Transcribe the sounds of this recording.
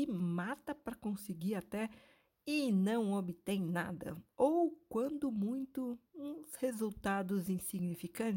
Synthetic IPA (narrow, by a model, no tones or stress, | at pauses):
ɪmat̪ɐpɾɐkõsɪɡiɾat̪ɛ | ɪnɐ̃w̃obɪt̪ẽj̃na̰d̪ɐ̰owkwɐ̃nd̪ʊmũj̃t̪ʊũshezuwt̪ad̪ʊzĩsiɡnifikɐ̃t͡ʃ